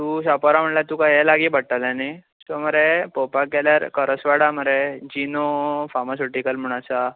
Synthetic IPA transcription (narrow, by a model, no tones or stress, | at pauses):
t̪usapɔɾaməɳlat̪uːkajɛlaɡiːbəɽ̚ʈalani | sɔməɾepɔpakɛljaɾkəɾəsʋaɽaməɾed͡ʑinofamasoʈikəlm̤uɽ̃asa